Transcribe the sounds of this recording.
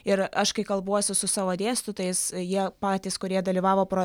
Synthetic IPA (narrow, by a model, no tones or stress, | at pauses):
ɪɾɐʃkɐɪkɐlˠbuɔsʲʊsʊsɑːʋoːd̪ʲeːst̪ʊt̪ɐɪsjiɛpɑːt̪ʲiːskʊɾʲiɛd̪ɐlʲiːʋɑːʋoːpɾoː